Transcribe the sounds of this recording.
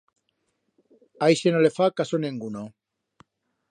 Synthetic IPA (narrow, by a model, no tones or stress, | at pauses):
ajsenolefakasonẽŋɡuno